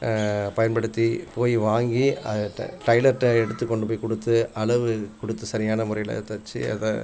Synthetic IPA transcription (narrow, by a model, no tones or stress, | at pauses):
pɐjɐnpɐɽɯt̪ːipoːjiʋaːŋɡiɐ̰ʈɐɪlɐɾʈːɐɛɽɯt̪ːɯkːɔɳɖɯpoːjkːɔɽɯt̪ːɯɐɭɐʋɯkɔɽɯt̪ːɯsɐɾɪjaːnɐmʊrɐjɪlɐ̰t̪ɐt͡ʃːiɐ̰ðɐ